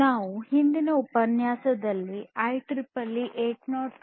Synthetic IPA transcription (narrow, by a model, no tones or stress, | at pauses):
naːʋuhind̪inɐupɐnjaːsɐd̪ɐlːiʔɐjʈɾipɐlːiʔeːʈnɔːʈ